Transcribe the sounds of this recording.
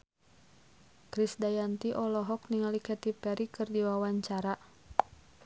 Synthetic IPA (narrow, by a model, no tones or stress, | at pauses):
kɾisdajant̪iʔɔlɔɦɔk̚niŋalikɛt̪ipɛɾikɨrdiwawaɲt͡ʃaɾa